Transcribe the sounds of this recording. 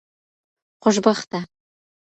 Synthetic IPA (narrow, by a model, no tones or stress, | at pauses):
qoʒbɑχt̪ɑ